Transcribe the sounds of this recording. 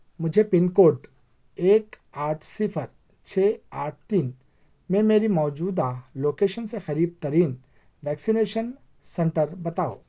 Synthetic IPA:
mʊd͡ʒʱepɪnkoːʈ | eːk | aːʈʰsɪpʰəɾ | t͡ʃʰeːaːʈ̚ʰt̪iːn | mẽmeːɾimɔːd͡ʒuːd̪aloːkeːʃənsexɐɾiːb̚t̪əɾiːn | ʋɛːksɪneːʃən | sɛ̃ɳʈəɾbɐt̪aːo̰ː

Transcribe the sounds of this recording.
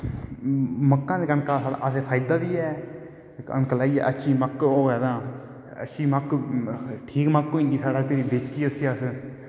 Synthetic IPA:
məkːãːd̪eːkənkaːsaa̰əseːpʰaːjd̪aːbiːɛː | ə̰nklaːiːɛ̰ːʔətːʃʰiːməkːoːɡɛːd̪ãː | ə̰ʃʰiːmək | ʈʰiːkməkːoĩːɡiːsaːɽaːt̪eːɾiːbeːt͡ʃiːəsiːəs

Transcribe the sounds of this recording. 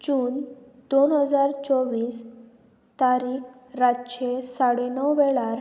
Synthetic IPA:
d͡ʑuːnd̪onɦəd͡zaɾt͡sɔʋiːs | t̪aɾiːkɾaɕesaɽenɔwʋɛɭaɾ

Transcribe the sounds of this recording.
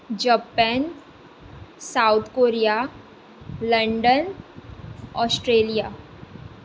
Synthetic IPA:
d͡ʒəpɛn | saut̪ʰkoɾija | lə̃ɳɖən | ɔːsʈɾeːlija

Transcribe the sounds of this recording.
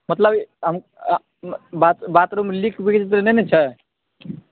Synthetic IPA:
mət̪ləbɦəm | bat̪bat̪ɾomelikʰbikt͡ʃt̪ɾenenet͡ʃʰɛ

